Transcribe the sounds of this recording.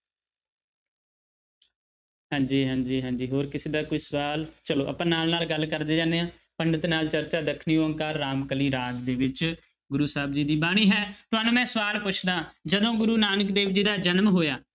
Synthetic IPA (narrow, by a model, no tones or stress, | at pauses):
ɦãːɲd͡ʒiːɦãːd͡ʒiːɦãːd͡ʒiːɦoːɾkɪseːd̪aːkoisəʋaːlt͡ʃəlo̰ːʔə̰pãːnaːlnaːlɡəlkəɾd̪eːd͡ʒãːneːãː | pəɳɖət̪naːlt͡ʃəɾt͡ʃaːd̪əkʰniːoːəŋkaːɾːaːmkəliːɾaːd͡ʒd̪eːʋɪt͡ʃ | ɡʊɾuːsaːbd͡ʒiːd̪iːbaːɽ̃iːɦɛːt̪ʊɦaːnũːmɛ̃ːsəʋaːlpʊt͡ʃʰd̪ãːd͡ʒəd̪õːɡʊɾuːnaːnəkd̪eːʋd͡ʒiːd̪aːd͡ʒənmɦoːjaː